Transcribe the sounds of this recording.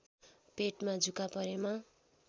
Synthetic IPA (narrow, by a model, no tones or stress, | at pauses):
peʈmad͡zʱukapʌɾema